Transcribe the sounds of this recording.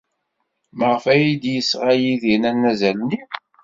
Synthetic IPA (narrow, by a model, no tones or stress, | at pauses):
məʁəfæjid̪jəsʁajiðinænːæzælni